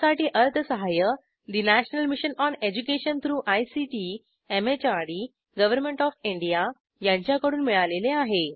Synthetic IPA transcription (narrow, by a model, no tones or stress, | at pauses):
saʈiːʔəɾt̪ʰəsəɦajə | d̪inæɕnəlmiɕənɔned͡ʑukeɕənt̪ʰɾuːʔajsiʈi | emet͡ɕaɽi | ɡəʋəɾmẽɳʈɔfiɳɖija | jãɲt͡ɕjakəɽuːnmiɭaleleaɦe